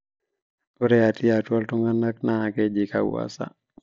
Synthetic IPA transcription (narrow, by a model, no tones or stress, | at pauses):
uɾɛatiatwaltuŋɡanːaknaakɛd͡ʒika̰w̰a̰sa̰